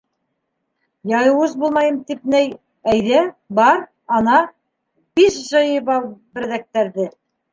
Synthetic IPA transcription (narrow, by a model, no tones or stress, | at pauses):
jɑjɤ̆wɤzbulˠmɑjɤmt̪ip̚næj | æjðæbɑɾ | ɑnɑ | biʃʑɤ̆jɤβɑbɘ̆ɾðæk̚t̪æɾðɘ